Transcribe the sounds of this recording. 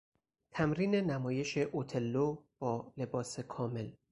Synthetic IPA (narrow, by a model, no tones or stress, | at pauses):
t̪ʰæmɾiːne̞næmɒːje̞ʃe̞ʔot̪ʰe̞lːob̥ɒːle̞bɒːse̞kʰɒːme̞l